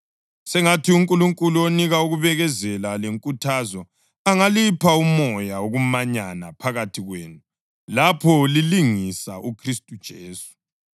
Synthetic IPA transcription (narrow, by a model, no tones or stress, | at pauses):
sɛŋatʰiuŋkʼuluŋkʼuluoniɣauɣuβɛɣɛzɛlaleŋkʼutʰazɔ | aŋalipʰaumɔjaoɣumaɲanapʰaɣatʰiɣweːnu | lapʰɔliliŋisa̰ʔukʰristʼud̥ʒ̥ʱeːsu̥